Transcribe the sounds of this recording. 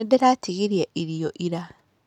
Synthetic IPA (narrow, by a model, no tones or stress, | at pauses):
edeɾatʰiɣiɾiaʔiɾioʔiɾa